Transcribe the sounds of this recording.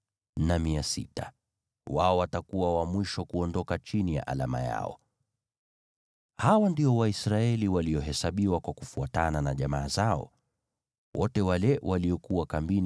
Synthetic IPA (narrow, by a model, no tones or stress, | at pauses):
namiasḭta | waɔwatakuwawamwiʃɔkuɔndɔkat͡ʃinija̰ʔa̰lama̰ja̰ɔ̰ | hawandiɔwaisɾaɛliwaliɔɦɛsaɓiwakwakufuatananaʄamaːzaɔ̰ | wʔɔtɛwalɛwʔaliɔkuwakambin